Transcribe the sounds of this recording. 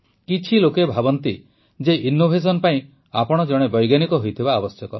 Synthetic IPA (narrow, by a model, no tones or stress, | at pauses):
kit͡ʃʰilokebʱabɔnt̪i | d͡ʒeʔinobʱes̬ɔnɔpaĩ | apɔɽ̃ɔd͡ʒɔɽ̃ebɔjɡanikɔɦojt̪ʰibaːbɔsjɔkɔ